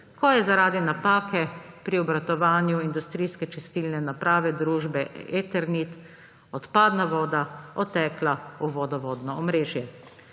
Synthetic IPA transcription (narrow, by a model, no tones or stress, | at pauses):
kɔjɛzaɾaːd̪inapaːkɛpɾiɔbɾat̪ɔʋaːnjuind̪ust̪ɾiːskɛt͡ʃɛst̪iːlnɛnapɾaːʋɛd̪ɾuːʒbɛet̪ɛɾnit̪ | ɔt̪paːd̪naʋɔːd̪aɔt̪ɛːklauʋɔd̪ɔʋɔːd̪nɔɔmɾeːʒjɛ